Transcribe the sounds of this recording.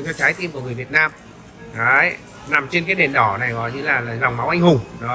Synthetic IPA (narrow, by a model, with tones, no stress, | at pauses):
t͡ɕɔ˧t͡ɕaː˨˦jt̪i˧mku˧˩əŋɨ˨˩əvi˨˩ət̚naː˧m | ʔa˨˦j | na˨˩mt͡ɕe˧nkaː˨˦jɗe˨˩nɗɔ˧˩na˨˩jɣɔ̰˨jɲɨ˧laː˨˩laː˨˩za˨˩wŋ͡mma˨˦wʔa˧jŋ̟hʊ˨˩ŋ͡mɗɔ˨˦